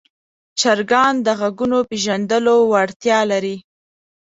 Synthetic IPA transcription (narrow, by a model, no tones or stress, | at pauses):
t͡ʃaɾɡɑnd̪əɣaɡunopeʒand̪əlowaɽt̪jɑlaɾi